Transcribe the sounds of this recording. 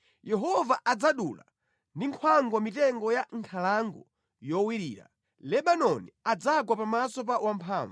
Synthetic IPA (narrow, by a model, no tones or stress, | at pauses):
jɛɦɔvaʔad͡zaɗula̰ | ndiŋkʰwaŋɡwamitɛŋɡɔjaŋkʰalaŋɡɔ̰ | jɔwiɾḭːɾa̰ | lɛɓanɔnḭad͡zaɡwapamasɔp̬awampʰaːɱv